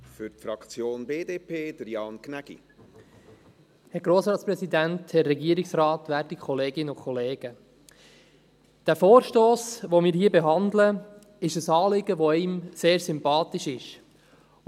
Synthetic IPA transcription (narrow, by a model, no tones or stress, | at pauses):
fʏɾtfɾɑkt͡sjoːnbeːdeːpʰeːd̥̪əɾjɑːnknæɡ̥ḭ | hɛɾɡ̥ɾoːsɾɑːtsprɛsidænthɛrːɛɡiəɾɪksrɑːt̪ʋæːɾtikʰɔleːɡɪnəʊkʰɔleːɡ̥ə | d̥æfoːɾʃtoːsʋomɪːɾhiːəbɛɦɑnd̪lə | ɪʃəsɑːlɪɡəʋoɪmseːɾsʏmpɑːt̪ɪʃɪʃ